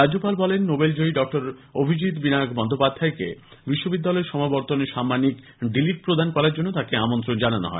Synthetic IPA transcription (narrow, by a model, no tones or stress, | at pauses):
ɾad͡ʑopalbɔlenːobeld͡ʑoiɖɔk̚ʈoɾobʱid͡ʑit̪binaoɡbɔnd̪ʱopad̪ʱːaekḛ | biʃːobid̪ːalɔeɾʃɔmabɔɾt̪oneɾʃamːanik | ɖiliʈ̚pɾod̪ʱankɔɾaɾd͡ʑonːot̪akeamont̪ɾond͡ʑanano̰ɦɔe